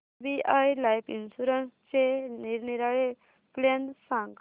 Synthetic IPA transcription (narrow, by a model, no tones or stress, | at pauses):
biʔajlajpinsuɾənst͡ɕeniɾniɾaɭe | plensãŋɡ